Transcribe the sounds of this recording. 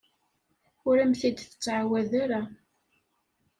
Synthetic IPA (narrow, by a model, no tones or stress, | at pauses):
ʊɾæmθid̪θə̥t͡sːʕawæðaɾa